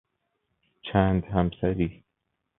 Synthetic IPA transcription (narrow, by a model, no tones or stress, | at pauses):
t͡ʃʰænd̪hæmsæɾiː